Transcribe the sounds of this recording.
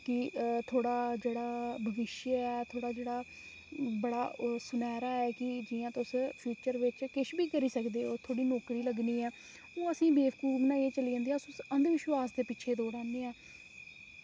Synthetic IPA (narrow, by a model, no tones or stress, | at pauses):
kɪt̪ʰoːɽaːd͡ʒeːɽaːbʱəʋɪʃjɛːt̪ʰoːɽaːd͡ʒeːɽaː | bəɽaːsʊnɛːɾaːɛːkɪd͡ʒɪãːt̪ʊspʰiːt͡ʃəɾʋɪt͡ʃkɪʃbiːkəɾiːsəkd̪eːoːt̪ʰoːɽiːnoːkɾiːləɡniːɛː | õːəsĩːbeːʋkuːmnãːeːt͡ʃəliːd͡ʒãːnd̪iːaːsʊsənd̪ʋɪʃwaːsd̪eːpɪʃʰeːd̪oːɾɛ̃ːneːɛː